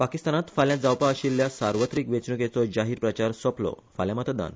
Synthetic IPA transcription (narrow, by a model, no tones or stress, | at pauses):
pakist̪anat̪faljãd͡zawpaəɕiːlːjasaɾʋət̪ɾiːkʋet͡snuket͡sɔd͡ʑaɦiːɾpɾət͡ɕaɾsɔplɔ̰ | faljãmət̪əd̪a̰n